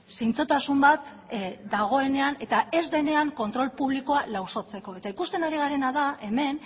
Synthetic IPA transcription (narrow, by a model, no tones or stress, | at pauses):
sijnt͡so̞t̪asumbat̪ | d̪aɣ̞o̞e̞ne̞ane̞t̪ae̞zðe̞ne̞aŋko̞nt̪ɾo̞lpuβ̞liko̞alawso̞t͡se̞ko̞et̪aikust̪e̞naɾiɣ̞aɾe̞nað̞ae̞me̞n